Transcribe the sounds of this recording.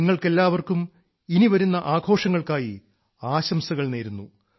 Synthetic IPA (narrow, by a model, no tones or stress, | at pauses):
iŋːɐɭke̞lːaːʋɐrkum | iniʋɐɾunːɐʔaːɡʱo̞ːʂɐŋːɐɭkaːji | aːɕɐmsɐɣɐɭne̞ːɾunːu